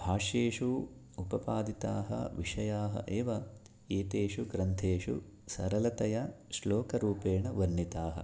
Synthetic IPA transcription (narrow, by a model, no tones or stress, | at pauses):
bʱaːʂjeːʂu | upɐpaːd̪it̪aːɦɐ̰ʋiʂɐjaːɦɐ̰ʔeːʋɐ | eːt̪eːʂuɡɾɐnt̪ʰeːʂṵ | sɐ̰ɾɐlɐt̪ɐjɐʃloːkɐɾuːpeːɳɐʋɐnːit̪aːɦɐ̰